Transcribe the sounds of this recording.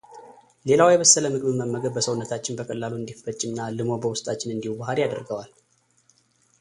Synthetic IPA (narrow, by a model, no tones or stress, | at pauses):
le̞lawjɛβəsːələmɨkʼmɨmːəmːəɡəd̚bəsəwʊnːət̪ʰat͡ʃːɪnbəkʼəlːaluɨnd̪ifət͡ʃʼːɪnːalɨmo̞bəwʊst̪ʼat͡ʃːɪnɨnd̪ihubahaljad̪əɾɡəwal